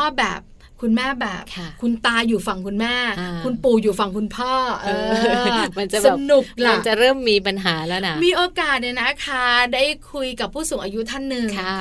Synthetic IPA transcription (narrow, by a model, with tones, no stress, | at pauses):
ɔː˥˩bɛ̰ː˨˩p̚ | kʰu˧nmɛː˥˩bɛː˨˩p̚ʰkʰu˧nt̪aː˧juː˨˩fa˧ŋkʰu˧nmɛː˥˩kʰu˧npuː˨˩juː˨˩fa˧ŋkʰu˧npʰɔː˥˩ʔɤː˧ma˧nt͡ɕa˨sa˧˨˩nu˨˩k̚la˧˨˧nt͡ɕa˨˩ɾɤː˥˩mːiː˧pa˧nɦaː˩˦lɛː˦˥na˦˥miː˧ʔoː˧kaː˨˩t̪̚na˧˩na˦˥kʰaː˥˩daː˥˩jkʰu˧jka˨˩pʰːuː˥˩suː˨˩˦ŋʔaː˧ju˦˥t̪ʰa˥˩nːɯ˨˩ŋʰ˧